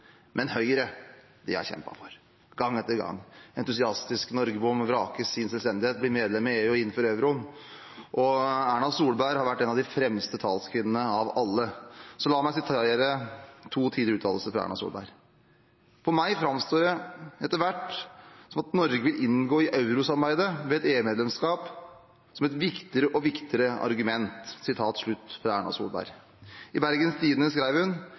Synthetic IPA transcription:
mʔɛnhœʏɾə | d̪̥ɛæ̰çɛ̰mpɑ̰fɔɾ | ɡɑŋːɛt̪ːəɾɡɑ̰ŋːɛ̰nt̪ʉsɪɑst̪ɪsknɔɾɡəbʊmːʋɾɑːkəɪnsɛlst̪ɛnd̪ɪheːt̪̚blɪɾmeːd̪lɛmːəeːʉɪnːfɔɾøʉɾʊn | ʔɔæːɳɑlsuːlbæɪɾhɑɾʋæʈːeːnɑʋd̪ɪfɾɛmst̪ət̪ʰɑːlskʰʋɪnːənəɑʋɑlːəsɔlɑːmæɪsɪt̪ʰːeɾət̪ʰuːt̪ʰiːd̪ɾʉːt̪ʰɑ̰ːləsəfɾɑ̰æ̰ːɳɑ̰sṵːlbæ̰ɾ | fɔɾmæɪfɾɑmst̪oːɾɛɛt̪ːəʋæʈːsɔmɑt̪nɔɾɡəʋɪlʔɪnɡoːɪʔɑʉɾʊsɑɾbæɪd̪əʋɛɛt̪eːʉmeːd̪lɛmskɑːp | sɔmɛt̪ʋɪkt̪ɪɾəʔɔʋɪkt̪ɪɾəɑ̰ɾɡʉmɛnt̪sɪt̪ʰɑːt̪ʂɭʉt̪ːfɾɑæːɳɑsṵːlbæ̰ːɾ | ɪbæɾɡənst̪ʰiːd̪nəskɾæɪʋəɾhʉn

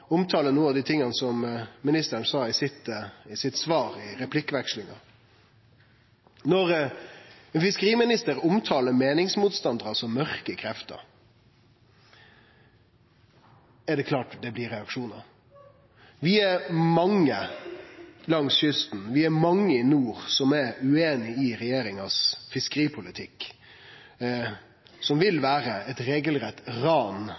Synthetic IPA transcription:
ʊmt̪ʰɑːlənuːəɑʋd̪iːt̪ʰɪŋːɑnsɔmmɪnɪst̪əəɳsɑːɪsɪt̪ɪsɪt̪sʋɑːɾɪɾɛpʰlɪkːəʋækʂlɪŋɑ̰ | nɔɾ | ɛnfɪskəɾiːmɪnɪst̪əɾʊmt̪ʰɑːləɾmeːnɪŋsmuːt̪st̪ɑnd̪əɾɑsɔmœɾkəkʰɾɛft̪ə̰ɾ | ɛɖ̪ɛkʰlɑːʈd̪ɛblɪɾɛɑkʂuːnə̰ | ʋɪæɾmɑŋːə | lɑŋsçʏst̪n̩ʋɪæɾmɑŋːəɪnuːɾsɔmɛɾʉeːnɪɪɾɛjeːɾɪŋɑsfɪskəɾiːpʰʊlɪt̪ʰɪk | sɔmʋɪlʋæːɾəɛt̪ɾeːɡəlɾɛt̪ːɾɑːn

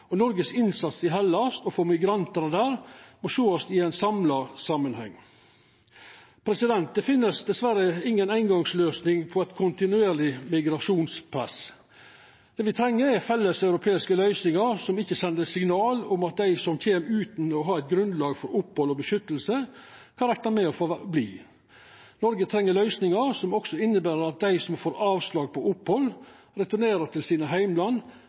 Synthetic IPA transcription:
ɔnɔɾɡəsɪnsɑt̪sɪɦɛlːɑst̪ɔfɔɾmɪɡɾɑnt̪ənəd̪æːɾmɔʃoːɔst̪ɪæɪnsɑmlɑsɑmːənhɛ̰ŋː | pʰɾɛsɪd̪ɛnt̪̚d̪ɛfɪnːəsd̪ɛsʋæɾəɪŋːənæɪnɡɑŋsløːsnɪŋpʰɔæt̪kʰʊnt̪ɪnʉeːɾlɪmɪɡɾɑʂuːnspʰɾɛ̰s | d̪̥eːʋɪt̪ʰɾɛŋːəɾɛɾfɛlːəsɑʉɾʊpʰeːɪskəlœʏsnɪŋɑɾsɔmɪçːəsɛnd̪əsɪŋnɑːlʊmɑt̪̚d̪æɪsɔmc͡çeːmɾʉːt̪n̩ɔɦɑɾæɪt̪̚ɡɾʉnd̪lɑːɡfɔɾʊpːhɔlɔbəʃʏt̪ːəlsəkʰɑɾɛk̚t̪ɑmɛɔfoblḭː | nɔɾɡət̪ʰɾɛŋːəlœʏsnɪŋɑɾsɔmɔksɔɪnːəbæːɾəɾɑt̪̚d̪æɪsɔmfoːɾɑːʋslɑːɡ̚pʰɔʔʊphɔl | ɾɛt̪ʊneːɾəʈʰɪlsiːnəɦæɪmlɑnː

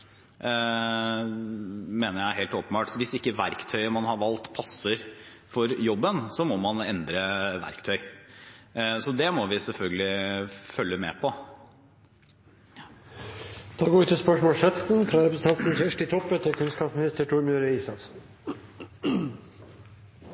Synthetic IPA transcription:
meːnəɾjæɪɾɦeːlt̪oːpənbɑːʈɔʋɪsɪkːəʋæɾkt̪ʰœʏəmɑnhɑɾʋɑlt̪pʰɑsːəɾ | fɔɾjɔbːənsɔmɔmɑnɛnd̪ɾəʋæ̰ɾkt̪ʰœʏ | sɔd̪ɛmɔʋɪsɛlfœlɡəlɪfœlːəmɛ̰pʰɔ | t̪ʰɑɡoːʉt̪ʰːɪspœʂmoːlsɛt̪n̩fɾɑɾɛpɾəsət̪ɑnt̪n̩çæʂʈɪt̪ʰɔpːət̪ʰɪkʰʉnskɑːpsmɪnɪst̪əʈʰuɾmjøːɾəiːsɑt̪sn̩

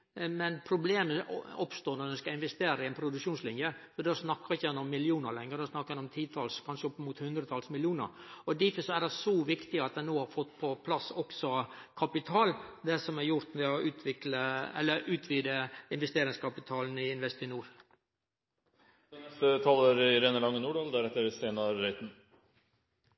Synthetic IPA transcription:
mɛnpʰɾʊbleːməɔpst̪oːɾnɔɾd̪ɛnskɑɪnʋɛst̪eːɾəɪɛnpʰɾʊd̪ʉkʂuːnslɪnjəsɔd̪ɛɑsnɑkːɑɪçəjɛnːəɔmːɪlɪuːnəɾlɛŋːəɾd̪ɛsnɑkːɑɛnɔmt̪ʰiːt̪ʰɑlskʰɑnʂəɔpːəmuːt̪hʉnd̪ɾət̪ʰɑlsmɪljuːnə̰ɾɔd̪ɪfəsɔædɛsɔʋɪkt̪ɪɑt̪̚d̪ɛnoːhɑɾfɔt̪ːpʰɔpʰlɑsɔksɔkʰɑpɪt̪ʰɑːld̪ɛsɔmæɾjʊɾt̪mʋɛɔʉːt̪ʰʋɪkləɛ̰lːəɾʔʉːt̪ʰʋiːd̪əɪnʋɛst̪eːɾɪŋskʰɑpɪt̪ʰɑːln̩ɪɪnʋɛst̪ɪnuːɾ | ɛnɛst̪ət̪ʰɑːləɾɪɾɛnəlɑŋːənuːɖɑːld̪æɾɛt̪ːəɾseːnɑɾœɪt̪n

